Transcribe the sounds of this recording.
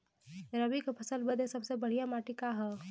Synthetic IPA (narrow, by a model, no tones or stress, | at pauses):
ɾəbikepʰɐsəlbəd̪ẽsɐbsebɐɽ̤ijamaːʈikaɦɛ